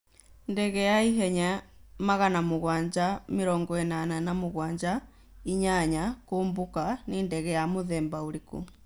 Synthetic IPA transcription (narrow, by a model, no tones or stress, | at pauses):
ndɛɣɛjaiɦɛɲamaɣanamoɣwaːɲd͡ʒameɾɔːŋɡɔɛnananamoɣwaːɲd͡ʒa | iɲaɲakoːmbokanendɛɣɛjamoðɛːmbaoɾikṵ